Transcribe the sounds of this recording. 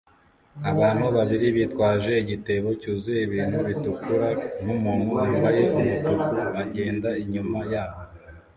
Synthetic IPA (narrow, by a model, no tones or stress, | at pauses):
aβaːn̥huβaβiɾiβitkwaːʒe̞iɟite̞βo̞cuːzujeβiːn̥huβitukuɾan̥umunuaːmbaje̞umutukuaɟe̞ːndaiɲumajaːβo